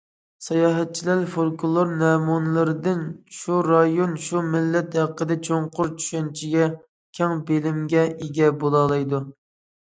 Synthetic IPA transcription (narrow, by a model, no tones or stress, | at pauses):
sɑjɑːɦɛt̪̚t͡ʃʰilæɾfoɾkulˠoɾnɛmunɨlˠɨɾɨd̪ɪnʃuɾɑjonʃumɪlːɛt̪ɦæqːəd̪ɛt͡ʃʰoɴqʰʊɾt͡ʃʰy̥ʃɛnt͡ʃʰiɡʲɛ | kʲʰɛŋbelɪmɡʲɛeɡʲɛbolˠɑːlˠɨjd̪u